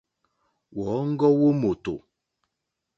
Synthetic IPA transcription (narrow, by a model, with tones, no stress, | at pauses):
wɔ˨˦ŋ̩˦ɡɔ˦wo˦mo˨to̰˨